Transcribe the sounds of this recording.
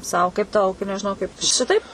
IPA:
ˈsɐʊ kɐɪp tɐʊ nʲɛʒʲɪˈnɐʊ kɐɪp ˈʃʲɪtɐɪp

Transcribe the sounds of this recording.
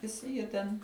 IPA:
ʋʲɪˈsʲɪ jiɛ tʲɛn

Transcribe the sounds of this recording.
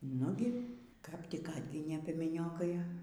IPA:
ˈnʊɡʲɪ kɐp ˈtʲɪk ˈɑːdʲɡʲɪnʲeː pʲiɛmʲɛˈnʲoːkɐɪ

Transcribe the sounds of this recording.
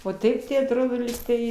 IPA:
oː ˈtɐɪp tɐɪ ɐtˈroːdoː ˈlʲiːktɐɪ

